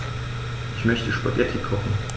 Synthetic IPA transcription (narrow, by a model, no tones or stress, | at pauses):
ʔɪçmœçtəʃpɔ̰tjɛtʰɪkʰːɔχn̩